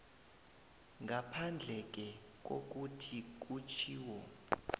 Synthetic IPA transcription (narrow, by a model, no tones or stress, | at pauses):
ŋɡʱapʰand͡ɮʱɛk̬ʼɛ | k̬ʼo̰k̬ʼutʰik̬ʼut͡ʃʰiːwɔ